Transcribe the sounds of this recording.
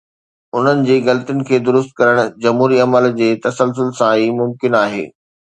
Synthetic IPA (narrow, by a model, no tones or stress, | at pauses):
ʊn̤ənɪ̆d͡ʑeːɣɐlt̪iʊnɪ̆kʰeːd̪ʊɾʊst̪̚kɐɾəɽ̃ʊ̆d͡ʑɐmɦuːɾiɐməld͡ʑeːt̪ɐsəlsʊlsãiːmʊmkɪnaːɦḛː